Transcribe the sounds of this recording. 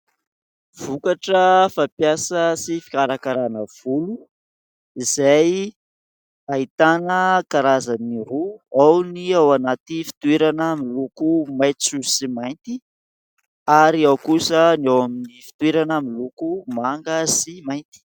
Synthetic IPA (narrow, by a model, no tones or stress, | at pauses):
v̥ukaʈ͡ʂəfapjasəsifi̥kaɾakaɾanəv̥ulu | izaj | ait̪anəkaɾazaniɾuawniawanat̪ifi̥t̪uweɾanamilukumajt͡susimajnt̪i | aɾiawkusənawaminifi̥t̪weɾanamilukumaŋɡəsimajnt̪i̥